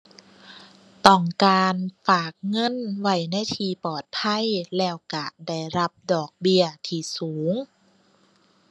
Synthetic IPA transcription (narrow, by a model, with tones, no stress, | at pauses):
t̪ɔ˧˩ŋkaː˧nfaː˨˩k̚ŋɤ˧˥˨nwa˧˩jna˧˥˨jt̪ʰiː˧˩pɔː˨˩t̪̚pʰa˧˥˨jlɛː˧˩wka˧˩da˧˩jɾa˧p̚dɔː˨˩k̚bi˧ət̪ʰiː˧˩suː˩˦ŋ